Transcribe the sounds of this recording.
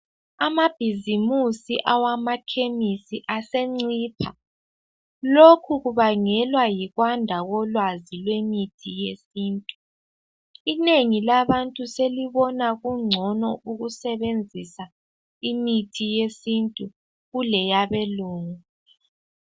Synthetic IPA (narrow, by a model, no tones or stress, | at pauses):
amab̥ʱizimusiʔawamakʰemisiʔaseŋ͡ǀiːpʰa | lokʰuɣuβaŋɛlwajiɣwandʱaɣɔlwazilwemitʰijesiːntʼu̥ | ineŋilaβantʼuseliβɔnaɣuŋ͡ǀʱɔnɔuɣusɛβend͡zʱisa | imitʰijesintʼu | ɣulɛjaβeluːŋu